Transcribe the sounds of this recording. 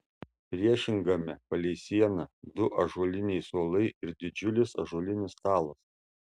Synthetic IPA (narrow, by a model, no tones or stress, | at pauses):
pʲɾʲiɛʃʲɪŋɡɐmʲɛpɐlʲɛɪsʲiɛnɐd̪ʊʔɐʒuɔlʲɪnʲɛɪsoːlˠɐɪɪɾd̪ʲɪd͡ʒʲʊlʲɪsɐʒuːlʲɪnʲɪst̪ɑːlˠɐs